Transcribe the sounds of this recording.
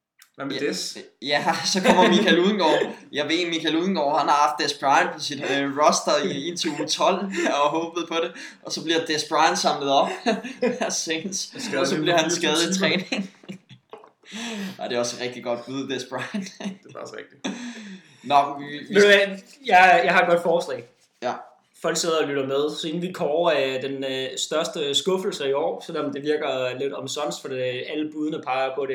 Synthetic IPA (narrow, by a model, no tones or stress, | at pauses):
d̥ejæsɒ̽kʰɒ̽m̰ɐmikʰæluð̞ˠən̩ɡ̥ɒ̰ːjɑ̈ɪʋe̝̰ːmikʰæluð̞ˠn̩ɡ̥ɒ̰ːhænhɑ̈hɑ̈fd̥ːesb̥ʁɑ̈ɪnpʰɒ̽sid̥ʁɒ̽sd̥ɐent͡sʰot͡sʰɒ̽l̰ɒ̽ɦɔ̽ːb̥əð̩ˠpʰɒ̽ɾe̝ | ʔɒ̽sɒ̽b̥liɐd̥esb̥ʁɑ̈ɪnd̥sɑ̈mləð̩ˠɒ̽b̥æsensɒssɒ̽b̥liɐhænsɡ̥ɛːð̞̩ˠit͡sʰʁɛːne̝ŋ | ɑɪd̥e̝ɒ̽sʁɛɡ̥̚d̥iɡ̥ɒ̽d̥̚b̥uðˠd̥esb̥ʁɑ̈ɪnd̥d̥e̝ɒsʁɛɡ̥d̥i̥ | nɒʋime | jɑ̈ɪjɑ̈ɪhɑ̈ed̚ɡ̥ɒ̽d̥fɒːslɛ̰ː | æ | fɒ̽l̰ɡ̥se̝ð̞ˠɐɒlyɾ̥ɐmeð̞ˠsɒ̽e̝n̩ʋikʰɒːæd̥ensd̥ɶɐsd̥əsɡ̥ɔ̽fl̩səiɒ̰ːsɒ̽nɒ̽md̥e̝ʋiɐɡ̥ɐle̝d̥ɒ̽msɒ̽nsfɒd̥iæləb̥uð̞ˠənəpʰɑ̈ɪɐɒɡ̥ɔ̽ːɾe